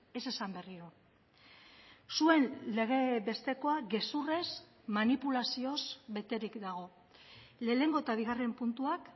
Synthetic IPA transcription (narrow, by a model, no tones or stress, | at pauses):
e̞se̞sambe̞riɾo | sue̞nle̞ɣ̞e̞βe̞st̪e̞ko̞aɡe̞sure̞z | manipulasio̞zβe̞t̪e̞ɾikd̪aɣ̞o̞ | le̞ːne̞ŋɡo̞et̪aβ̞iɣare̞mpunt̪uak